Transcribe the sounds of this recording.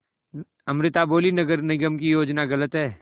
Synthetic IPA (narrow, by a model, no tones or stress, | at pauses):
ɐmɾɪt̪aboːlinɐɡəɾnɪɡəmkijoːd͡ʒnaɣɐlət̪ɦɛː